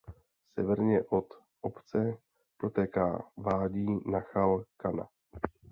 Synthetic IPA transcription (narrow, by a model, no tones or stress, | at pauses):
sɛvɛɾɲɛʔot̪ | ʔopt͡sɛ | pɾot̪ɛːka̰ːvaːɟiːnaxalkana̰